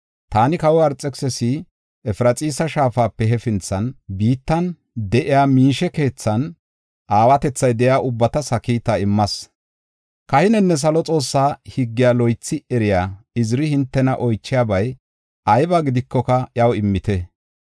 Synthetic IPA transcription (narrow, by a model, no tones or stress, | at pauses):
t̪aːnɪkɐwʊɐɾt͡sʼɛksɛsi | ɛfɪɾɐt͡sʼiːsɐʃaːfaːpːɛɦɛfɪnt͡sːɐnbiːt̪ːɐn | d̪ɛʔɪjaːmiːʃɛke̞ːt͡sːɐn | ʔaːwɐt̪ɛt͡sːɐjd̪ɛjaːʔʊbːɐt̪ɐsɐkiːt̪ːaɪmːɐs | kɐhɪnɛnːɛs̬ɐlɔt͡sʼo̞ːsːaːhɪɡːɪjaːlɔjt͡sːɪɛɾɪjaːɪzɾɪhɪnt̪ːɛnɐʔɔjt͡ʃːɪjaːbɐj | ʔɐjbaːɡɪd̪ɪkːɔkɐʔjɐwɪmːɪt̪ɛ